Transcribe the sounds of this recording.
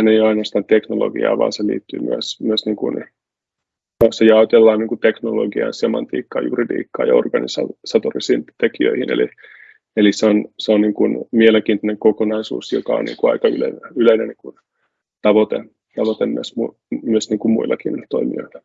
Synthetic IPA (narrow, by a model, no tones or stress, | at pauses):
ænejoɑinoɑst̪ɑːnt̪eknolo̰ɡḭɑ̰ːʋɑ̰ːnselḭːt̪ːy̰ːmyøsmyøsniːŋkṵn | osːɑjɑot̪elːɑːnniːŋkut̪eknoloɡiɑ̰jnsemɑnt̪ḭːkːɑ̰ːjuridḭːkːɑ̰ːjɑorɡ̥ɑnisɑ̰sɑt̪orisiːnt̪ekiø̰ihinḛlḭ | eliseonseonniːŋkunmieleŋkiːnt̪uneŋkokonɑisṵːsjokɑo̰nnḭŋkuɑ̰ikɑy̰lḛineyleineniːŋkun | t̪ɑʋot̪ḛ | t̪ɑʋot̪emmyøsmu | myøsniːŋkummuilːɑkiːnilt̪oimḭo̰ilːɑ̥